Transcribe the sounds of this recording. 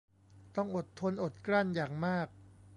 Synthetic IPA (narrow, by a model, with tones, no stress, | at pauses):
t̪ɔ˥˩ŋʔo˨˩t̪ʰːo˧nʔo˨˩t̪̚kla˥˩njaː˨˩ŋmaː˥˩k̚